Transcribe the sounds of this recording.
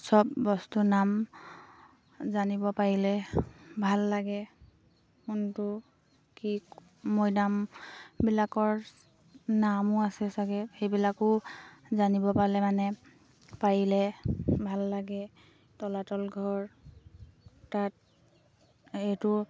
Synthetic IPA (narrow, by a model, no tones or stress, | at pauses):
sɔbːɔstunam | zanibɔpaɹilɛbʱalːaɡɛ | kuntʊ | kiː | ɔjdambilakɔɹ | namʊasɛsaɡɛxejbilakʊzanibɔpalɛmanɛ | paɹilɛbʱalːaɡɛ | tɔlatɔlɡʱɔɹ | tat̚ | ejtʊ